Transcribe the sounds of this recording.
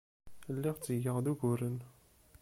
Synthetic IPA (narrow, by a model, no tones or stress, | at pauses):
lːiʁt͡sːəjəʁðuʝʊɾən